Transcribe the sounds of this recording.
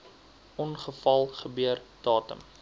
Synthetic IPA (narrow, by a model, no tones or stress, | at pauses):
ʔɔnχəfɐlˠχəbyərd̥ɑːtə̰m